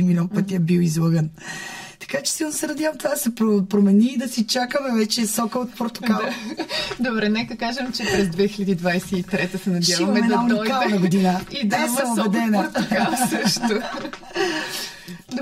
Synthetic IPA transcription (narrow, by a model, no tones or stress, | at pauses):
imːilʲɔnpət̪ʲiɛbiwizlˠɤɡənt̪ɐ̥kat͡ʃɛ̥silˠnosɛnɐd̪ʲjavəmt̪ovad̪ɐsɛpɾopɾomɛniːd̪ɐsit͡ʃakəmɛvɛt͡ʃɛsɔkəot̪̚poɾt̪o̥ka | d̪obɾɛnɛkəkaʒəmt͡ʃɛpɾɛzd̪vɛxilʲəd̪iːd̪vajsɛit̪ɾɛt̪əsɛnɐdjavɐmɛmɛd̪ɐauniɔkaalnɐɡod̪inəid̪aobɛd̪ɛnəkasəʃt̪o